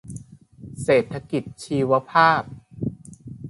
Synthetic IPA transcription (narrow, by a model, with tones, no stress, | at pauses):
seː˨˩t̪ʰːa˧ki˨˩t̪̚t͡ɕʰiː˧wa˦˥pʰaː˥˩p̚